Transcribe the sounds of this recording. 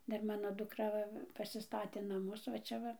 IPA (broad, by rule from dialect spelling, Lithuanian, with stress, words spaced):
ˈdɐr ˈmɑːnoː dʊkˈrɐ ˈʋɐ pɐsʲɪˈstɑːtʲeː nɐˈmʊs ʋɐ ˈt͡ʃʲɛ ʋɐ